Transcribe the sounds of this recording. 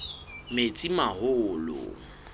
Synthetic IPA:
met͡sʼimahʊlʊ̰

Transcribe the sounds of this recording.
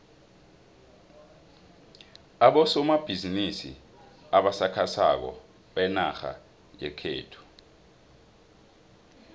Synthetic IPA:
aɓɔsɔmab̥ʱizinisḭ | aɓasakʰasa̰k̬ɔ̰ | ɓɛnaxa̰ | jɛkʰeːtʰu̥

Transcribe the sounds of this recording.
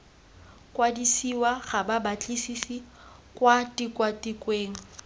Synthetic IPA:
kʼwadisiwaɣababat͡ɬʼisisi | kʼwatʼikʼwatʼikʼweːŋ̩

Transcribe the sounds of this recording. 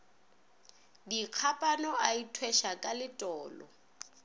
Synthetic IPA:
diq͡χʰapʼanɔaitʰwɛʃakʼalɪtʼɔːlɔ̰

